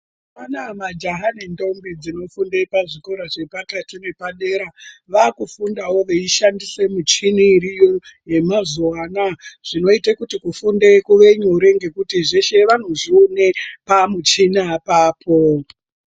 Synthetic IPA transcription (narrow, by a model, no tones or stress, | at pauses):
panamad͡ʒaɦanendo̞mbid͡zino̞fundepaʐikoɾaʐe̞patatune̞paɗe̞ːɾaʋakufundawo̞ʋeiʃandise̞mut͡ʃiniːrijoje̞mazoaːnaʐ̥ino̞itakutikufundekuʋe̞ɲoɾe̞ŋɡe̞kutiʐe̞ʃe̞ʋan̤oʐiunepamut͡ʃinapaːpʰo̞